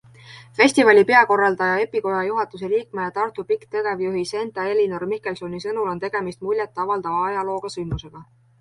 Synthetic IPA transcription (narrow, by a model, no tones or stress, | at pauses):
fe̞sʲt̪ivɑlʲipe̞ɑko̞rːɑld̪̥ɑjɑe̞pːiko̞jɑjuɦɑt̪us̬eliːkmejɑt̪ɑrt̪upikt̪ɤɡ̥e̞vjuɦise̞nt̪ɑe̞linormikːˑe̞lso̞nisɤnulo̞nt̪e̞ɡ̥e̞mist̪mulʲjet̪ːˑɑvɑld̪̥ɑvɑɑjɑlo̞ːɡ̥ɑsylmuse̞ɡ̥ɑ